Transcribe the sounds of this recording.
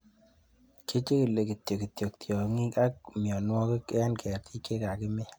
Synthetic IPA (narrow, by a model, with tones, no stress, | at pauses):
kʰe˦t͡ʃe˦ki˨le˨ki˨t̪jo˨ki˨t̪jo˨k̚t̪ʰjɔ˨ŋi˦ka˦k̚mjɔ˨nwɔ˦kkɛ˦nkʰɛ˨ɾt̪ʰi˦ke˦ka˨kɪ˦me˦